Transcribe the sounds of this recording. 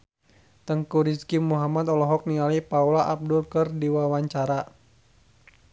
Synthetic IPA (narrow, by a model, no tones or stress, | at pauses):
t̪əŋkuɾiskimuɦamat̪ɔlɔɦɔk̚niŋalipaulaʔab̚dʊlkɨrdiwawaɲt͡ʃaɾa